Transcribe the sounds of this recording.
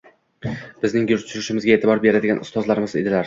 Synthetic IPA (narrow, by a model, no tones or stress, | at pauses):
b̥ɪznɪŋjʊɾt͡ʃ̪ʰʊɾɪʃɪmɪzɡʲaeːt̪ʰɪbɒɾbe̞ɾad̪ɪɡʲanʊ̰st̪ɒzlaɾɪmɪzed̪ɪlaɾ